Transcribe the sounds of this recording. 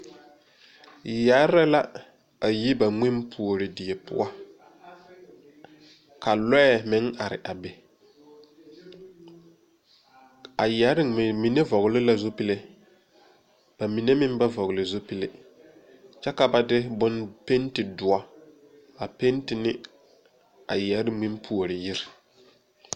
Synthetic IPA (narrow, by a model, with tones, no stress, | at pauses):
ja˨˦ɾɛ˦la˦ | a˨ji˦ba˨ŋ͡mɪ˦mpʰu˨o˨ɾɪ˨dɪ˨e˨pʊ̰˦a˦ | ka˨lɛ˦ɛ˦˨mɪ˦ŋa˨ɾɪ̰˨ʔa˨be˨ | a˨jɛ˨˦ɾɪ˦˨mi˨ne˦vɔ˨ɣlɪ˦la˨zo˦pi˦le˦ | b̥a˨mi˨ne˦mɪ˦m˦ba˦vɔ˨ɣlɪ˨zo˦pi˦le˦ | t͡ʃɛ˦ka˨ba˦dɪ˦bʊ˦npe˦ntɪ˨dʊ˨a˦ | a˨pe˦ntɪ˨nɪ˦ | a˨jɛ˨˦ɾɪ˦mɪ˦mpʰu˨o˨ɾɪ˨jɪ˦ɾɪ˨